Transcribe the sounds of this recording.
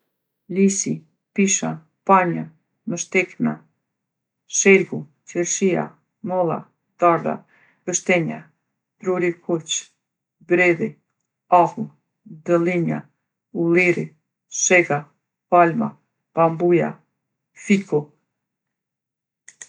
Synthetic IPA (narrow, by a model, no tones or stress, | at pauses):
lisi | piʃa | paɲa | məʃt̪ɛkna | ʃɛlɡu | t͡ʃɛɾʃia̰ | mɔlˠa̰ | d̪̥aɾða̰ | ɡəʃt̪ɛɲa | d̪ɾuɾikʰut͡ʃ | bɾɛði | ahu | d̪əliɲa̰ | uliɾi | ʃɛɡa | palma̰ | pambuja̰ | fiku